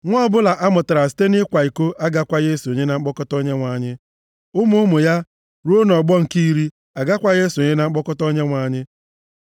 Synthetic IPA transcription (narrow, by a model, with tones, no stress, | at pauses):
ŋʷɔ˦bʊ˦la˨ʔa˦mʊ˨ta˨ɾa˨si̥˦te˦nɪ˦kʷa˨i˨ko˦ʔa˦ɡa˦kʷa˦je˦su˨o˨ɲe˦na˨ŋ͡m̩˦k͡pɔ˦kɔ˦tɔ˦ɲe˦ŋʷa˨ɲɪ˦ | ʊ˦mʊ˦ʊ˦mʊ˨ja˦ | ɾu˦o˦nɔ˨ɡ͡bɔ˦ŋ̩˨ki˦ɾi˦ | a˨ɡa˦kʷa˨je˦su˨o˨ɲe˦na˨ŋ͡m̩˦k͡pɔ˦kɔ˦tɔ˦ɲe˦ŋʷa˨ɲɪ˦